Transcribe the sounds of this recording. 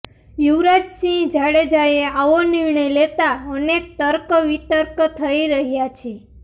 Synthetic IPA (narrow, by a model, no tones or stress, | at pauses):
juʋɾad͡ʒsĩd͡ʒaɽed͡ʒaeaʋoniɾɳəjlet̪aənek̚t̪əɾkʋit̪əɾkt̪ʰəiɾəɦjat͡ʃʰe